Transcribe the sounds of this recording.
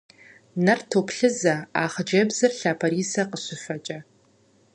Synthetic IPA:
nɐrtʰoːpɬɨzɐaːχəd͡ʒɐbzɐrɬaːpʰɐɾiːsɐqəɕɪfɐt͡ʃʼɐ

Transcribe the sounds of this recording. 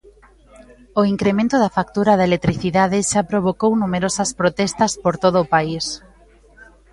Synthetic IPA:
oiŋkɾemẽnt̪oðafak̚t̪uɾaðaelek̚t̪ɾiθiðaðeʃapɾoβ̞okownumeɾosɐspɾot̪ɛst̪ɐspoɾt̪oðoːpais

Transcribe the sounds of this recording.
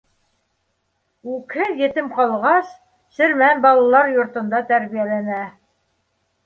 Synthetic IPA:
ʉkhɘðjɘ̆t̪ɘmqɑlˠʁɑs | sɘ̆ɾmænbɑlˠɑlˠɑɾjŏɾt̪ŏnd̪ɑt̪æɾβijælænæ

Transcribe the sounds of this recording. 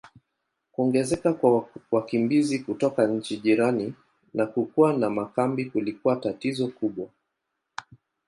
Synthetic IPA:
kuɔŋɡɛzɛkakwawakimbizikutɔkaɲ̩t͡ʃiʄiɾani | nakukuwanamakambikulikuatatizɔkuɓwa

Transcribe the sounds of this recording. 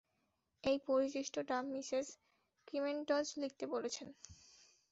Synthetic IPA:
ejpoɾit͡ɕiʃʈʰoʈamisez | kimenʈɔd͡ʑlik̚t̪ebolet͡ɕʰen

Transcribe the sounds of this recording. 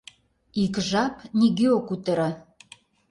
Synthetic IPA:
ikʒɑpniɣeokut̪ə̆ɾə

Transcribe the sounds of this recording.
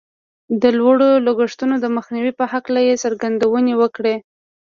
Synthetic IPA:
d̪əlwaɽoloɡəʂt̪unod̪əməxniwipəhaklajesəɾɡand̪awənewəkɽe

